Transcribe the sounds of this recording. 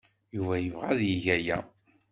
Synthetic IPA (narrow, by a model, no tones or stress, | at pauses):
juvæjəvʁaðjiʝæjæ